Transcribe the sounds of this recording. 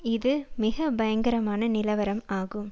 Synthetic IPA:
ɪðɯmɪɣɐbɐjɐŋɡɐɾɐmaːnɐnɪlɐʋɐɾɐmaːɣɯm

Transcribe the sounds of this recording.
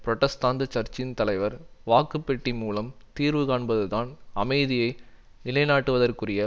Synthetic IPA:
pɾɔʈːɐst̪aːnd̪ɯt͡ʃɐɾt͡ʃɪnt̪ɐlɐɪʋɐɾʋaːkɯpːɛʈːimːuːlɐmt̪iːɾʋɯkaːɳbɐðɯðaːnɐmɐɪðɪjɐɪ | nɪlɐɪnaːʈːɯʋɐðɐrkɯrɪjɐ

